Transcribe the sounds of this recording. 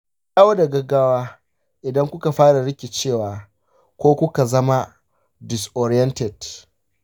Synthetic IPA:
jaː˦wo˦da˨ɡɐ˦ɡaː˦waː˦ | ʔɪ˨dɐ˦ŋkʷʊ˦ka˨ɸaː˦ɽa˨ɽɪ˦kʲɪ˨t͡ʃeː˦˨waː˨ | kʷoː˦kʷʊ˦ka˨zɐ˦ma˦ | dɪ˨sʔɔ˨ɾɪ˦jɛ˦ntɛ˨d̥

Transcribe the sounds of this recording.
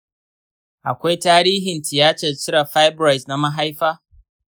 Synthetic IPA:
ʔa˨kʷa˦jtaː˦ɾiː˦ɦɪ˨ntɪ˨jaː˦t͡ʃɐ˨t͡ʃɪ˦ɽa˨ɸa˦jbɾa˨jsna˦ma˦ɦa˦jɸaː˦

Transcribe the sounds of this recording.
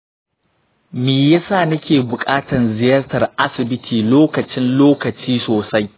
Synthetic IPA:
miː˨ja˦saː˦˨nɐ˦kʲeː˨bʊ˨kʼaː˦tɐ˨nzɪ˨jɐ˦rtɐ˨rʔa˦sɪ˨bɪ˦tʰiː˨loː˦kɐ˨t͡ʃɪ˦nloː˦kɐ˨t͡ʃiː˦soː˨sa˦j

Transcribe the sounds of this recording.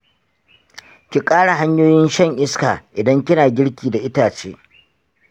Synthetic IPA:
kʲi˨kʼaː˦ɽa˨ɦa˦ɲjoː˦jɪ˦nʃɐ˦˨ŋʔɪ˦skaː˨ʔɪ˨dɐ˦ŋkʲɪ˦naː˨ɡʲɪ˦ɽkʲiː˨da˨ʔɪ˦taː˨t͡ʃḛː˦

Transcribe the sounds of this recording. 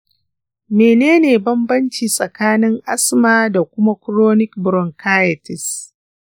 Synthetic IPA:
meː˨neː˦neː˨bɐ˦mbɐ˦nt͡ʃiː˨sʼɐ˨kaː˦nɪ˦ŋʔa˦smaː˨da˨kʷʊ˦ma˦kɾoː˦nɪ˦kbɾɔ˨ŋkʰaː˦jɐ˨tɪ˨s

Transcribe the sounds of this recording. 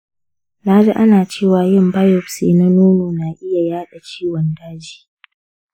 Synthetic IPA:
naː˦d͡ʒa˦ʔa˦naː˨t͡ʃeː˦˨waː˨jɪ˦mba˦jɔ˨ɸseː˨na˦nuː˦noː˨na˨ʔɪ˦ja˨jaː˦ɗa˨t͡ʃiː˦wɔ˨ndaː˦d͡ʒi̥ː˨

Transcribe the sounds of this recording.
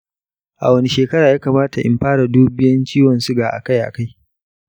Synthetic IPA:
ʔa̰˨wɐ˦ni˦ʃeː˨kɐ˦ɾaː˨jaː˦kaː˨maː˦ta˨ʔɪ̰˨mɸaː˦ɽa˨duː˦bɪ˦jɐ˦nt͡ʃiː˦wɔ˨nsu˦ɡaː˨ʔa̰˨ka˦˨jʔa̰˨ka˦j

